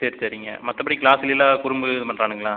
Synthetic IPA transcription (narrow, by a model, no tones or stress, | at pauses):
seːɾsɐɾɪŋɡɐ̰mɐt̪ːɐpːɐɽikɭaːsɪlɪlaːkʊɾʊmbɯpɐnrɾaːnɯŋɡɐɭãː